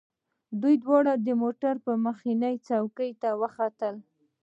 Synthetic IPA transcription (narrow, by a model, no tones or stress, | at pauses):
d̪ujd̪wɑɽad̪əmoʈaɾpəməxinəjt͡sɑwkəjt̪awəxat̪əl